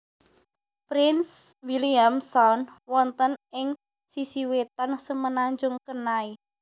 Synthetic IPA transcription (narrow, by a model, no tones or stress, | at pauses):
pɾɪnswiliamsɔnwɔnt̪ənɪŋ | sisiwet̪ɔnsəmənaɲd͡ʒʊŋkənai